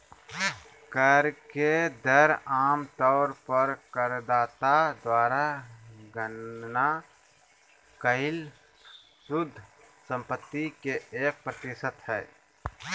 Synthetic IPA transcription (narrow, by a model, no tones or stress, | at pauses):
kəɾked̪əɾaːmt̪ɔːɾpəɾkəɾd̪aːt̪ad̪waːɾaɡənna | kəɪl | sʊd̪ʱː | sə̃mpət̪ːikeeːk̚pɾət̪ɪsət̪hɛː